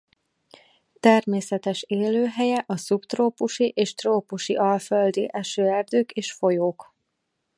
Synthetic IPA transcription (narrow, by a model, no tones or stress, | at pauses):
t̪ɛrmeːsɛt̪ɛʃeːløːɦɛjɛʔɒsupt̪roːpuʃiʔeːʃt̪roːpuʃiʔɒlføld̪ḭʔɛʃøːɛrd̪øːkeːʃfo̞joːk